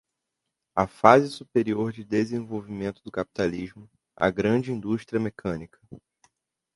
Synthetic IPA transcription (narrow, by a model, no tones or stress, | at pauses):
afazɪsupeɾioɾd͡ʒɪd̪ezẽvowvimẽnt̪ʊd̪ʊkapi̥t̪aliʒmʊ | a̰ɡɾɐ̃d͡ʒɪĩnd̪uʃt̪ɾiɐmekʰɐ̃nikʰɐ̥